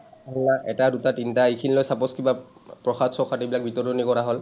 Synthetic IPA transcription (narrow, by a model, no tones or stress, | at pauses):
ɔnaʔɛtadutatintaekʰinilojsapɔskibapɹɔxadsɔkʰatebilak̚bʱitɔɹdɔnikɔɹaɦol